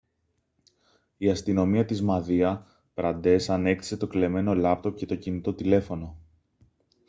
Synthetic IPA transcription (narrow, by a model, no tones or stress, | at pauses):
iɐst̪ino̞miɐt̪izmɐðiɐ | pɾɐnd̪e̞sɐne̞kt̪i̥se̞t̪o̞kle̞me̞no̞lɐp̚t̪o̞pce̞t̪o̞cinit̪o̞t̪ile̞fo̞no̞